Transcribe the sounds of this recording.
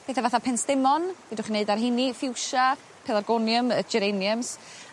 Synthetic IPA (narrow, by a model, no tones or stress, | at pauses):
b̥eːθɛvaθapʰɛnsd̥ɪmɔnvɛdʊχineɨdarɦɪnifɪwʃa | pʰɛlˠarɡɔnjəməd͡ʒɛɾenjəms